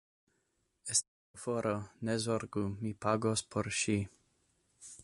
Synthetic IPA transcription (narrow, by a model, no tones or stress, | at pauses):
est | foɾonezoɾɡumipaɡospʰoɾʃi